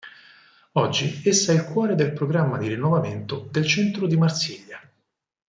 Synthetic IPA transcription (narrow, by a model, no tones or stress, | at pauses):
ɔd͡ʒːiesːaɛilkwɔːɾed̪elpɾoɡɾamːad̪iɾinːovament̪od̪elt͡ʃɛnt̪ɾod̪imart̪siʎːa